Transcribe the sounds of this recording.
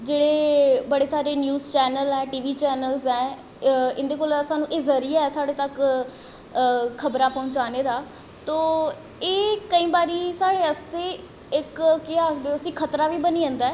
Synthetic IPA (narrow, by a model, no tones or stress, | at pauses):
d͡ʒeːɽeːbəɽeːsaːɾeːnjuːzt͡ʃɛːnəlɛːʈiːʋiːt͡ʃɛːnəlzɛː | ɪnd̪eːkoːlsaːnũːʔeːzəɾiːaːɛːsaːɽeːt̪ək | kʰəbɾãːpɔ̃ʊːt͡ʃaːneːd̪aː | t̪oː | eːkəĩːbaːɾiːsaːɽeːəst̪eː | ɪkkeaːkʰd̪eoəsĩːkʰət̪ɾaːʋiːbəniːə̃nd̪aː